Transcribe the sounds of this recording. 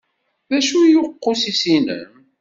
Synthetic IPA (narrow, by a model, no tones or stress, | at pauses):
ðæʃujʊqːosisinə̰m